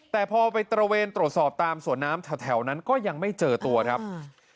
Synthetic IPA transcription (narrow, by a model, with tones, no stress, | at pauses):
t̪ɛː˨˩pʰɔː˧pa˧jt̪ɾa˧weː˧nt̪ɾu˨˩t̪̚sɔː˨˩p̚t̪aː˧msu˩˦ənːaː˦˥mt̪ʰa˧˩t̪ʰɛ˩˦wna˦˥nkɔː˥˩ja˧ŋma˥˩jt͡ɕɤː˧t̪u˧ɐkʰɾa˦˥p̚